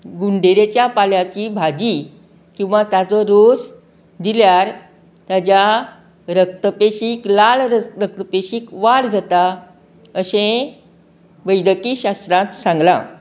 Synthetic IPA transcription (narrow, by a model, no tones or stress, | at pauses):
ɡuɳɖeɾet͡ɕjapaljat͡ɕiːbʱad͡ʑi | kĩw̃ʋat̪jat͡sɔɾos | d̪iljaɾ | t̪jad͡ʑja | ɾək̚t̪əpeɕiːklalɾək̚t̪əpeɕiːkʋaɽd͡zat̪a | əɕẽ | ʋəjd̪əkiːɕast̪ɾãt̪sãŋɡla̰